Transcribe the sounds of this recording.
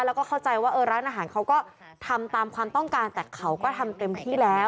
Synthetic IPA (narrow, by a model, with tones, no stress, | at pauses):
lɛː˦˥kɔː˥˩kʰa˥˩wt͡ɕa˧jwaː˥˩ʔɤː˧ɾaː˦˥nʔaː˧ɦaː˩˦nkʰa˦˥wkɔː˥˩ | t̪ʰa˧mt̪aː˧mkʰwaː˧mt̪ɔ˥˩ŋkaː˧nt̪ɛː˨˩kʰa˦˥wkɔː˥˩t̪ʰa˧mt̪e˧mt̪ʰiː˥˩lɛː˦˥